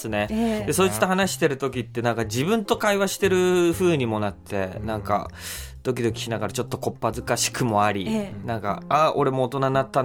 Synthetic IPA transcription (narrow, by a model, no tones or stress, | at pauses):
sɨne̞d̪e̞so̞ːit͡sɨ̥t̪ːoɦanaɕi̥t̪e̞ɾɯ̟t̪o̞kʲit̪ːe̞nãŋkad͡ʑibɯ̟̃nt̪o̞kaiβaɕi̥t̪e̞ɾɯ̟ɸɯ̟ːɲ̟imo̞nat̪ʰːe̞nãŋka̰ | d̪̥o̞kʲid̪o̞kʲi̥çinaɡaɾat͡ɕo̞t̪ːoko̞pːazɨkaɕi̥kɯ̟mo̞aɾʲinãŋka̰ao̞ɾe̞mo̞ːt̪o̞nanat̪ːa